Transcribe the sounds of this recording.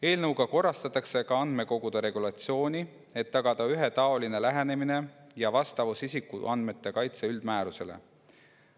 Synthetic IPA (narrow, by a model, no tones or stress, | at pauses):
e̞ːlnɤwɡ̥ɑko̞rːɑst̪ɑt̪ːˑɑkse̞kɑɑnd̪me̞ko̞ɡud̪̥eɾe̞ɡ̥ulɑt̪sio̞ːnʲi | e̞t̪ːɑɡ̥ɑd̪̥ɑyɦe̞t̪ɑo̞line̞læɦe̞ne̞mine̞jɑvɑst̪ɑvusisikːuʔɑnd̪me̞t̪ːe̞kɑjt̪seyld̪̥mæːɾuse̞lḛ